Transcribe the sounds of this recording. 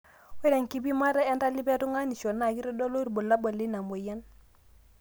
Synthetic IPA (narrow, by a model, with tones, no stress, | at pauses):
we˦ɾe˨ŋki˦bi˦ma˦ɾa˦ɛ˦nda˦li˦be˦tu˦ŋa˦ni˨ʃo˨na˨ki˦ɾɔ˦do˦lo˦ɾbo˨lːa˦bo˨li˦na˨mo˨ja˦n